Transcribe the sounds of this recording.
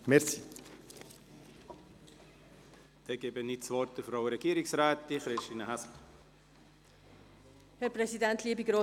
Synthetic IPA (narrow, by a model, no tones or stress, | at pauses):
mɛɾsiː | d̥ɛɡ̥eːbənisʋɔrt̚dəfɾɔwɾɛɡ̥iːɾɪksɾaːt̪ːiχɾɪstiːnəɦasl̩ | hɛɾpɾɛsidɛntʰliːəbiɡɾo